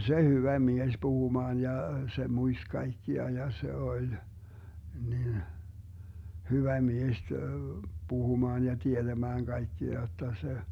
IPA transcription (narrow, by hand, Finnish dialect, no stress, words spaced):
se hyʋæ mies puhumɑːn jɑ se muist kɑikːiɑ jɑ se olʲ nin hyʋæ mies puhumɑːn jɑ tied̥æmæːŋ kɑikːiɑ jotːɑ se